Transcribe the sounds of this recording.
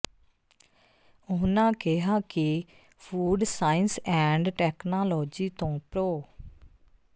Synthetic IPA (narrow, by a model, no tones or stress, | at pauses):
ʊnãːkɪɦaːkɪ | pʰuːɖsaːɪnsɛ̃ːɳɖʈɛːknaːlɔːd͡ʒiːt̪õːpɾoː